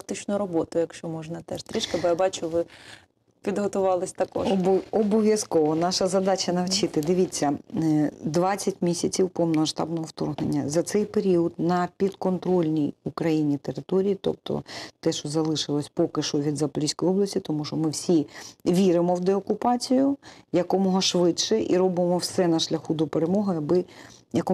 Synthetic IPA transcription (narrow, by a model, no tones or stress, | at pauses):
kt̪ɪt͡ʃnʊɾɔbɔt̪ʊjɐkʃt͡ʃɔmɔʒnɐt̪ɛʃt̪ɾɪʃkɐɐbɪjabɑt͡ʃʊʋɪ | pʲid̪ɦɔt̪ʊʋɑlˠɪsʲt̪ɐkɔ̰ʃbɔbɔʋʲjɐskɔʋɔnɑʃɐzɐd̪ɑt͡ʃɐnɐwt͡ʃɪt̪ɪd̪ɪʋʲit͡sʲːɐ | d̪ʋɑt͡sʲːɐtʲmʲisʲɐt͡sʲiwpɔmnɐʃt̪ɑ̰bnɔɦɔwt̪ɔ̰rɦnḛnʲːɐzɐt̪sɛjpeɾʲiɔd̪nɐpʲid̪kɔnt̪ɾɔlʲnʲijukɾɐjinʲit̪eɾɪt̪ɔɾʲijit̪ɔ̰p̚t̪ɔ̰t̪ɛʃɔzɐlˠɪʃɪlˠɔsʲpɔkɪʃɔʋʲid̪zɐplʲisʲkɔjɔblˠɐsʲtʲit̪ɔmuʃɔmɪwsʲiʋʲiɾɪmɔwd̪eɔkʊpɑt͡sʲijʊjɐkɔmɔɦɔʃʋɪdʃɛʔḭɾɔbɪmɔwsɛnɐʃlʲɐxud̪ɔpeɾemɔɦʊjɐbɪjɐkɔ